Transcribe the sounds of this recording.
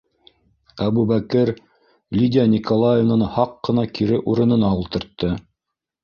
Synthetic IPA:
æβubækɘɾ | lʲidʲɪanʲikolˠajevnənhɑqːɤ̆nɑkʰiɾɘʔuɾɤ̆nɤ̆nɑulˠt̪ɤ̆ɾt̪ːɤ

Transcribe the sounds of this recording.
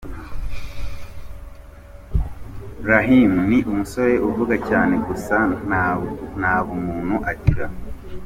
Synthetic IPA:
ɾaɦimuniʔumuso̞ɾe̞ʔuvuɡacaːne̞ɡusanan̥haːβumuːn̤̥uʔaɟiɾa

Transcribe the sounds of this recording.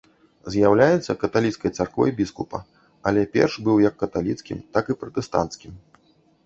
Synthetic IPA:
zʲjawlʲajɛt̪sːɐkɐt̪alʲit̪skɐjt̪sarkɔvɔ̰jbʲiskupɐ̰ | ɐlʲɛpʲɛ̰rʂbɨwjɐkːɐt̪alʲḭt̪skʲḭmt̪akɨpɾɐt̪ɛst̪a̰nt̪skʲim

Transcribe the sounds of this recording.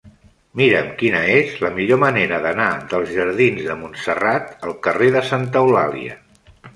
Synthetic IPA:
miɾəmkinəezləmiʎoməneɾəðənaðəlˠzʒəɾð̞inzðəmunsərat̪əlˠkəreðəsant̪əwla̰lḭə̰

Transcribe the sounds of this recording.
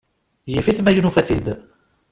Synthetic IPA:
jəfiθmæjunufæθid̪

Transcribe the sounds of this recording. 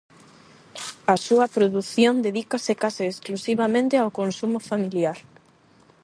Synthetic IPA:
ɐsuɐpɾoðuθjond̪eðikasɪkasɪːsklusiβ̞amẽnt̪ɪawkonsumʊfamiljaɾ

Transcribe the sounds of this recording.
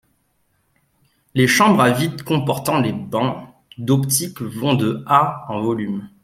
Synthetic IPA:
leʃɑ̃bʁavit̪kɔ̃pɔʁt̪ɑ̃lebɑ̃ | d̪ɔpt̪ikvɔ̃d̪əaɑ̃vɔlym

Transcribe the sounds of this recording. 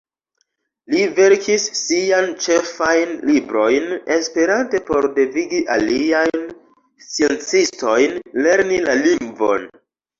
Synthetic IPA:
live̞ɾkʰisːiant͡ʃe̞fajnlibɾo̞jne̞spe̞ɾante̞po̞ɾde̞viɡiʔaliajn | stie̞nt͡sisto̞jnle̞ɾnilaliŋɡvo̞̰n

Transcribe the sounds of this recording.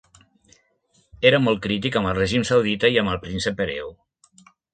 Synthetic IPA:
eɾəmɔlˠt̪̚kɾit̪̬ikəmbəlˠreʒimsawðit̪əiəməlˠpɾinsəpːeɾḛw

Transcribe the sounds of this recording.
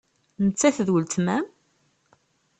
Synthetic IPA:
nət͡sːæθðwəlt̪mæm

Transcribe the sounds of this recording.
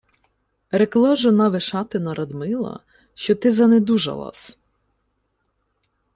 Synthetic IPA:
ɾeklˠɔʒɔnɑʋeʃɑt̪ɪnɐɾʔɐd̪mɪlˠɐ̰ | ʃt͡ʃɔt̪ɪzɐned̪uʒɐ̰lˠɑ̰s

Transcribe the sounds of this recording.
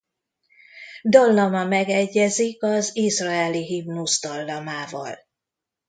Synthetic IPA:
d̪ɒlːɒmɒmɛɡɛɟːɛzikɒzizrɒɛliɦimnuzd̪ɒlːɒmaːvɒ̰l

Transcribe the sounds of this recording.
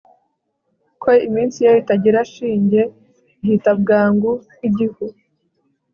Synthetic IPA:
kʰoimiːnsijaoitaɟiɾaʃiːɲɟe | iɦitab̚ɡaːŋɡu | iɟihu

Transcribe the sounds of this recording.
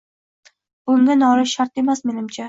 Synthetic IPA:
b̥ʊŋɡʲanɒɾɪʃaɾt̪e̞masme̞nɪmt͡ʃʰa

